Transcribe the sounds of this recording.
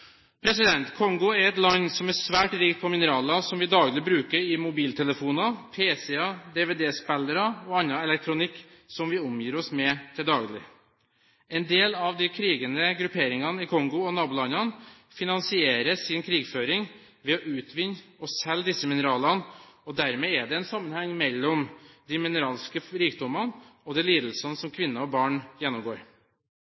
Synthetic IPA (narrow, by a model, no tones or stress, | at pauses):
pʰɾɛsɪd̪ɛnt̪kʰɔŋɡʊɛɾɛt̪lɑɲsɔmæsʋæːʈɾɪkt̪̚pʰɔmɪnəɾɑːlɑsɔmʋɪd̪ɑːɡlɪbɾʉːkəɾɪmʊbiːlt̪ʰɛləfuːnɑpʰeːsɛɑd̪eːʋeːd̪eːspæləɾɑɔɑnːɑɛlɛk̚t̪ʰɾʊnɪkː | sɔmʋɪʊmjiːɾɔsmɛt̪ʰɪld̪ɑːɡlɪ̰ | ɛnd̪eːlɑʋd̪ɪkʰɾiːɡənəɡɾʉpʰeːɾɪŋɑnɪkʰɔŋɡʊɔnɑːbʊlɑnɑn | fɪnɑnsɪeːɾəsɪnkʰɾiːɡføːɾɪŋ | ʋɛɔʔʉːt̪ʰʋɪnːɔsːɛld̪ɪsːəmɪnəɾɑːlɑnɔd̪æɾmɛæɖ̪ɛɛnsɑmːənhɛŋmɛlːɔmd̪imɪnəɾɑːlskəɾiːkd̪ɔmɑnɔd̪ɛliːd̪əl̩sənsɔmkʰʋɪnːəɔbɑːɳjɛnːɔmɡoːɾ